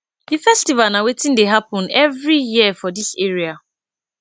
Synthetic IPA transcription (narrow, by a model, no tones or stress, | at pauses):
difɛstivalnawetĩndeɦapɔ̃nɛvɹijiəfɔdiseɹia